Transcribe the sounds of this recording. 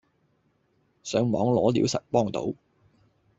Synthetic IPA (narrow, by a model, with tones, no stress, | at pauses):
sœː˨˥ŋmɔː˨˥ŋlɔː˨˥liː˨˥wsɐ̰˨t̚pɔː˥ŋt̪o̰˨˥w